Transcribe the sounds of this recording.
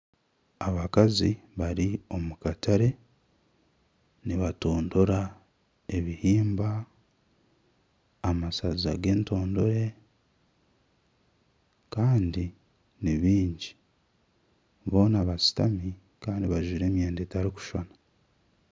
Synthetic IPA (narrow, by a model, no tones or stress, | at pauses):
aβakaziβaɾio̞mukatʰaɾe̞ | niβato̞ːndo̞ɾa | eβihiːmba | masazaɡe̞ːnto̞ːndo̞ɾe̞ | kaːndi | niβiːɲɟi̥ | βo̞ːnaβasi̥ta̰mi | kaːndiβaʒuɾe̞ːmjeːndeːtaɾiku̥ʃona